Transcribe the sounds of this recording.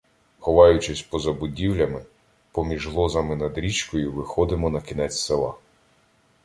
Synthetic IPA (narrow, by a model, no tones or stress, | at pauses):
xɔʋɑjʊt͡ʃɪsʲpɔzɐbʊdʲiwlʲɐmɪ | pɔmʲiʒɦlˠɔzɐmɪnɐd̪ɾʲit͡ʃkɔjʊʋɪxɔd̪ɪmɔnɐkʲinɛt͡sʲselˠɑ